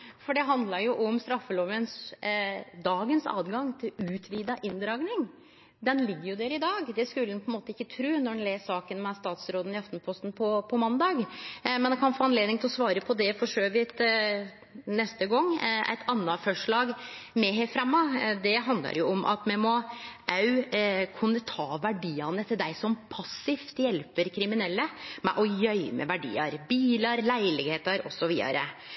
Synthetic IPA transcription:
fɔɖɛɦɑnd̪lɑɾjʊʔɔmst̪ɾɑfːəloːʋəns | d̪ɑːɡənsɑ̰ːd̪ɡɑŋt̪ʰɪlʉːt̪ʰʋiːd̪ɑʔɪnd̪ɾɑːɡnɪŋ | d̪ɛnlɪɡːəɾjʊd̪eːɾɪd̪ɑːɡd̪ɛskʉlənpʰɔɛnmoːt̪əɪkːət̪ʰɾʉːnɔɖɛnleːsɑːkənmɛst̪ɑːt̪sɾoːd̪ən̩ɪɑft̪n̩pʰɔst̪npʰɔpʰɔmɑnd̪ɑːɡmɛnɛkʰɑnfoːɑnleːd̪ɪŋt̪ʰɪlɔsʋɑːɾəpʰɔd̪ɛfɔʂøːʋɪt̪ | nɛst̪əɡɔŋːæ̰ɪt̪ʰɑnːɑfœʂɭɑːɡmɛɦefɾɛmːɑd̪ɛɦɑnd̪lɑ̰ɾjʊɔmʔɑ̰t̪mɛmɔʔɑʉkʰʉnːət̪ʰɑːʋæɖiːɑnət̪ʰɪld̪æɪsɔmpʰɑsɪft̪jɛlpəɾkʰɾɪmɪnɛlːəmɛ̰ʔɔjœʏmə̰ʋæɖḭːɑɾbiːlɑɾlæɪlɪɡheːt̪əɾɔ̰sɔʋiːd̪ɑ̰ɾə̰

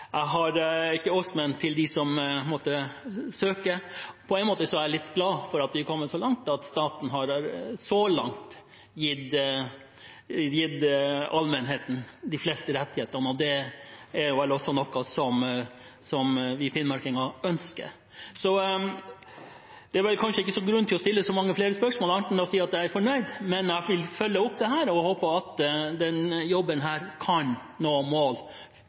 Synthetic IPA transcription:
jæɪɦɑɾɪkːəɔsmɛnt̪ʰɪld̪ɪsɔmmoːt̪əsøːkəɾpʰɔɛɪnmoːt̪əsɔæɾlɪt̪ːɡlɑːfɔɾɑt̪ʋɪkʰɔmːəsɔlɑŋt̪ʰɑt̪st̪ɑːt̪n̩ɦɑɾɾsɔlɑ̰ŋt̪ | jɪd̪ | jɪd̪ɑlmənɦeːt̪n̩d̪ɪflɛst̪əɾɛt̪ːɪheːt̪əɾnəɔd̪ɛæɾʋɛlɔsɔnɔkːɑsɔm | sɔmʋɪpʰɪnmɑɾkɪŋɑœnskə̰ɾ | sɔ | d̪̥ɛæɾʋɛlkʰɑnʂəɪkːəsɔɡɾʉnːt̪ʰɪlɔst̪ɪlːəsɔmɑŋːəfleːɾəspœʂmoːlɑnt̪nɔsiːɑt̪d̪jææɾfɔɳœʏd̪mɛnæʋɪlfœlːəʊpːd̪ɛɦæːɾɔhoːpəɑt̪d̪ɛnjɔbənɦæːɾkʰɑn | noːmoːl

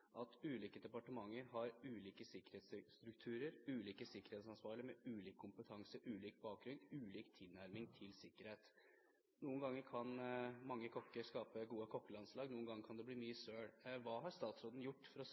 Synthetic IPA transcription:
ʔɑt̪ʉːliːkəd̪ɛpɑʈəmɑŋːəɾɦɑɾʉːliːkəsɪkːəɾhɛːt̪st̪ɾʉkt̪ʰʉːɾəɾʉːliːkəsɪkːəɾɛt̪sɑnsʋɑːɾɭɪəmɛʉːliːkkʰːʊmpət̪ʰɑŋsəʔʉːliːk̚bɑːk̚ɡɾʉnd̪ʉːliːkt̪ʰɪlnæɾmɪŋt̪ʰɪlsɪkːəɾheːt̪ | nuːənɡɑŋːəɾkʰɑnmɑŋːəkʰɔkːəɾskɑːpəɡuːəkʰɔkːəlɑnslɑːɡnuːənɡɑŋːəɾkʰɑnd̪ɛbliːnyːəsøːɽʋɑːɦɑɾst̪ɑːt̪sɾoːd̪n̩jʊʈːfɔɾɔ

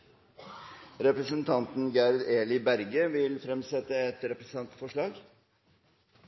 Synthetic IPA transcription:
ɾɛpɾəsənt̪ʰɑnt̪n̩ɡæɾd̪eːlɪbæɾɡəʋɪlfɾɛmsɛt̪əɛt̪ɾɛpɾəsɑnt̪fɔʂɭɑːɡ

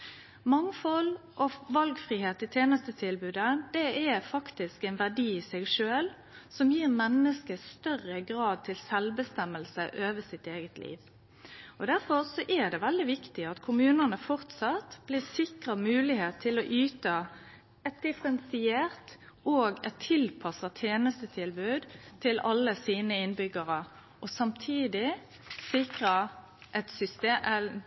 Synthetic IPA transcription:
mɑŋfɔlʔɔʋɑlɡfʁiːheːt̪ɪt̪ʰeːnəst̪ət̪ʰɪlbʉːd̪əd̪̥ɛɛfɑkt̪ɪskæɪnʋæʁd̪iːɪsɛɡʂøːl | sɔmjiːʁmɛnːəskəst̪œʁəɡʁɑːd̪̚t̪ʰɪlsɛlbəst̪ɛmːəlsəʔøːʋəsɪt̪eːɡət̪ʰlʔḭːʋ | ɔd̪æʁfɔʁsɔʔɛd̪ɛʋɛld̪ɪʋɪkt̪ɪɑt̪kʰʊmʉːnənəfɔʁt̪sɑt̪b̥lɪsɪkʁəmʉːlɪheːt̪ʰːɪlɔʔyːt̪ə | ɛt̪̚d̪ɪfəɾɛnsɪeːʁt̪ | oːɡɛt̪ʰːɪlpʰɑsət̪ʰeːnəst̪ət̪ʰɪlbʉːd̪t̪ʰɪlɑlːəsiːnəɪnbʏɡəʁə | ʔɔsɑmt̪ʰiːd̪ɪ | sɪkʁə | ʔɛt̪sʏst̪eɛ

